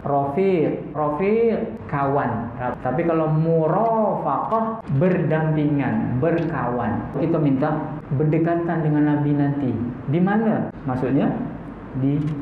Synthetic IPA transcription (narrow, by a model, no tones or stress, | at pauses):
rɔfiʔ̚ | rofi | kawanat̪apikalamuɾafaqɑhbərdampiŋanbərkawa̰nit̪umint̪abərdəkat̪andəŋanːabinant̪idimanəmasuʔɲa | di